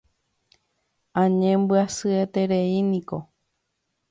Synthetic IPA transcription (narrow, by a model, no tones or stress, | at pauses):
ãɲẽmbɨasɨet̪eɾe̞inĩko̞